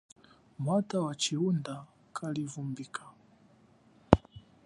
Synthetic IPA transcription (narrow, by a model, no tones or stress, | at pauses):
mwatawat͡ʃiunda | kʰalivumbikʰḁ